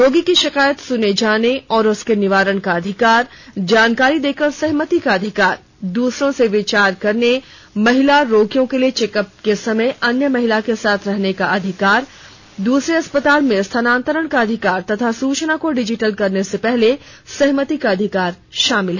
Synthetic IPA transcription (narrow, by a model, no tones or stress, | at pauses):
ɾoːɡikiʃɪkaːjət̪sʊned͡ʒaːneɔːɾʊskenɪʋaːɾəɽ̃kaɐd̪ʱɪkaːɾ | d͡ʒaːnkaːɾid̪eːkəɾsɛɦmət̪ikaɐd̪ʱɪkaːɾ | d̪uːsɾõseʋɪt͡ʃaːɾkɐɾne | mɐɦɪlaɾoːkijõkeliet͡ʃeːkəp̚kesɐməjɐnjəmɐɦɪlakesaːt̪ʰɾɐɦnekaʔɐd̪ʱɪkaːɾ | d̪uːsɾeɐspət̪aːlmẽst̪ʰənãːnt̪əɾəɽ̃kaɐd̪ʱɪkaːɾt̪ɐt̪ʰasuːt͡ʃnakoɖɪd͡ʒɪʈəlkɐɾnesepɛɦle | sɛɦmət̪ikaɐd̪ʱɪkaːɾʃaːmɪlɦɛ